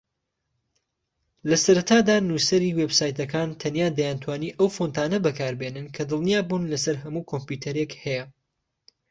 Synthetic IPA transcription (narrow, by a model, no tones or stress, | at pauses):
lɐsɐɾɐt̪ʰaːd̪aːnusɐɾiːweːbsaːjt̪ɐkʰaːnt̪ʰɐnjaːd̪ɐjant̪ʰwaːniːʔɐwfont̪ʰaːnɐbɐkʰaːɾbenɨnkʰɐd̪ɨlˠnijaːbuːnlɐsɐɾɦɐmuːkʰompjut̪ʰɐɾekhɛjɐ